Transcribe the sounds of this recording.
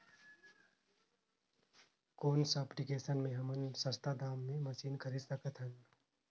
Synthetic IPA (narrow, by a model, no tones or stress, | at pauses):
koːnsaːpɽikeːsənmẽɦɐmənsə̃st̪ʰad̪aːmːẽmɐsiːnkʰɐɾiːd̪səkət̪ʰɦə̃n